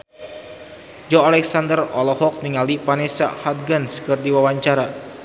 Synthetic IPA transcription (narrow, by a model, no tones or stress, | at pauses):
d͡ʒɔalɛksand̪ərɔlɔhɔk̚niŋaldipanɛsa̰hat̪̚ɡanskɨrdiwawaɲt͡ʃaɾa